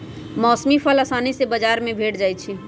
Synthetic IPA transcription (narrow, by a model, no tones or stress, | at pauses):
mɔːsmipʰələsanisebəd͡ʒaɾmẽbʱeʈd͡ʒajt͡ʃʰi